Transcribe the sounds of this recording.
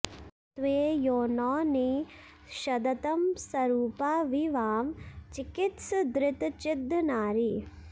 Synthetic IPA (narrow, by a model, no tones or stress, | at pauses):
t̪ʋeːjoːnɔːne | ʃɐd̪ɐt̪ɐmsɐɾuːpaːʋiʋaːmt͡ʃikɪt̪sɐd̪ɾɪt̪t͡ʃɪd̪ʱːnaːɾi